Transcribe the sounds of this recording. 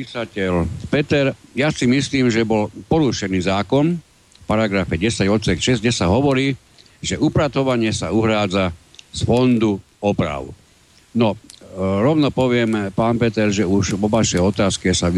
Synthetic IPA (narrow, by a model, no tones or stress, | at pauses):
isacɛlpɛt̪ɛɾjasimisliːmʒɛbɔlpɔɾuʃɛniːzaːkɔn | fpaɾaɡɾafɛɟɛsaɟɔt̪sɛkʃɛzɲɛsaɦɔʋɔɾiː | ʒɛʔupɾat̪ɔʋaɲɪɛsauɦɾaːd͡zasfɔnd̪u | ɔpɾa̰ʊ | nɔ | ɾɔʋnɔpɔʋɪɛmpaːnpɛt̪ɛɾʒɛuʒʋɔʋaʃɛɔt̪aːskɛsaʋ